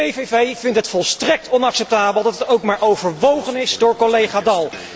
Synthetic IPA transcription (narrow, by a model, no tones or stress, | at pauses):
ejvejvejvɪntɦətfɔlˠstrɛk̚tʰɔnɑksɛp̚taːbəlˠdɑtətowkmaːɹʔowvəɹʋowχənɪzdʊːɹkolejχaːdɑlˠ